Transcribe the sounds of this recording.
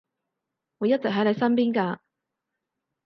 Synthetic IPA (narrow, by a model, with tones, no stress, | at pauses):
wu˨˧jɐ˥t̚t͡sɪ˨k̚ɦɐ˨˥jle˨˧jsɐ˥npiː˥nkaː˧